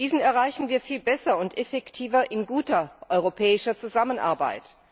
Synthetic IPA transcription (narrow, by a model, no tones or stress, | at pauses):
d̥iːzn̩ɛɐʁaɪçn̩viːɐfiːlbɛsɐʊntʔɛfɛktʰiːvɐʔɪnɡuːtɐʔɔʏʁopʰɛːɪʃɐt͡suzamənʔa̰ɐba̰ɪt